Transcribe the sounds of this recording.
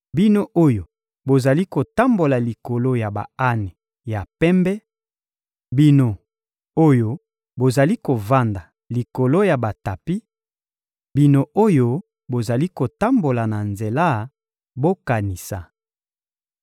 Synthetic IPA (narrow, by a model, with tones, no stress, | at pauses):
bi˦no˦ʔo˦jo˨ | bo˨za˨li˦ko˨ta˦mbo˨la˨li˨ko˨lo˦ja˨ba̰˨a˦ne˨ | ja˨pɛ˦mbɛ˦ | bi˦no˨ | o˦jo˦ | bo˨za˨li˦ko˨va˦nda˨ | li˨ko˨lo˦ja˨ba˨ta˨pi˦ | bi˦no˦ʔo˦jo˦ | bo˨za˨li˦ko˨ta˦mbo˨la˨na˨nze˨la˦˨ | bo˦ka˨ni˨sa̰˨